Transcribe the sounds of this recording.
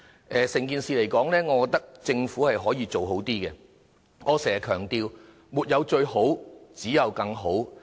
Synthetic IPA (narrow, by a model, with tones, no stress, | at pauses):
ʔɛː˨sɛ˨˩ŋkiː˨nsiː˨le˨˩jkɔː˨˥ŋlɛː˥ŋɔː˨˧kɔ˨˧kt̪ɐ˥k̚t͡sɪ˧ŋfuː˨˥hɐ˨jɦɔː˨˥jiː˧t͡so˨wɦo˨˥wt̪iː˥kɛ˧ | ŋɔː˨˧sɛː˨˩˨kʰœː˨˩ŋt̪iː˧w | muː˨t̚jɐ˨˧wt͡ʃɵ˧ɥho˨˥wt͡siː˨˥jɐ˨˧wkɐ˧ŋɦo˨˥w